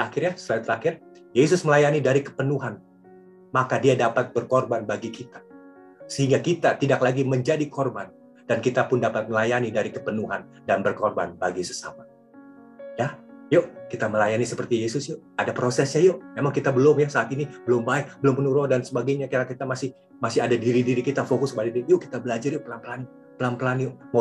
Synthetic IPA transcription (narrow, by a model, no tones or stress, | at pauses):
əakɪrjasəlait̪əɾakɪr | jes̬ʊsməlajanidaɾikə̥pənuɦan | makadiadapat̪̚bərkorbanbaɡikit̪ḁ | səhiŋɡakit̪at̪idaklaɡiməɲd͡ʒadikorban | d̥ankit̪apʊndapat̪̚məlajanidaɾikəpənuɦan | danbərkorba̰nbaɡisə̥sa̰ma | jajoʔkit̪aməlajanisəpərt̪ijesʊsjo | adapɾosɛsɲajomemaŋkit̪abəlʊmjasaːt̪inibəlʊmbaɪk̚bəlʊmənuɾodansəbaɡajɲakaɾakit̪amasɪh | masɪhadadiɾidiɾikit̪afokʊskbadidijoki̥t̪abəlad͡ʒarjʊpəlampəlan | pəlanpəlanjʊma